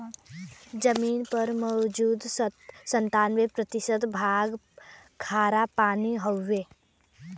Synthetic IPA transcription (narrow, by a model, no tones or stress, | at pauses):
d͡ʒəmiːnpɐɾmɔʊd͡ʒuːd̪sə̃nt̪aːnʋepɾət̪ɪʃəd̪bʱaːɡ | kʰaːɾapaːniɦoːeː